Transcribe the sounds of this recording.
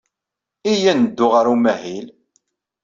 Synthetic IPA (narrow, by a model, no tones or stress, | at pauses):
ijænəd̪ːʊʁaɾumæhil